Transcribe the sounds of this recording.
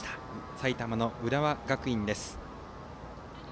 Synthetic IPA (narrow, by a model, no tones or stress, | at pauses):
t̪ḁsait̪amano̞ɯ̟ɾaβaɡakɯ̟ĩnd̪e̞sɨ̥